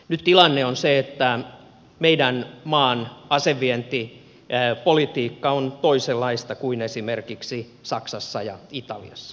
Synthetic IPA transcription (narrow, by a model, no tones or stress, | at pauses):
nyt̪t̪ilɑnːeonseet̪ːæ | meidænmɑːnɑseʋːient̪i | polit̪iːkːɑont̪oiselːɑist̪ɑkuinesimerkiksi | sɑksɑsːɑjɑ̰it̪ɑlḭɑsːɑ̥